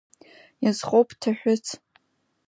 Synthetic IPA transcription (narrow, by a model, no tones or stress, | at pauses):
jazχowpʰʼtʰaħʷᶣʊt͡sʰ